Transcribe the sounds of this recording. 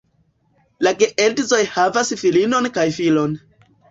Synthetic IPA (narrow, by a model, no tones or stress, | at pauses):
laɡeʔeldzo̞jhavasfilino̞nkajfilo̞n